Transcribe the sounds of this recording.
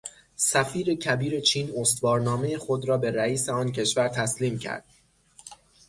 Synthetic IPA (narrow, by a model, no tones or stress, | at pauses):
sæfiːɾe̞cʰæbiːɾe̞t͡ʃʰiːnost̪vɒːɾnɒːmejexo̞d̪ɾɒːbe̞ɾæiːseɒːncʰe̞ʃvæɾt̪ʰæsliːmcʰæ̰ɾd̪̥̚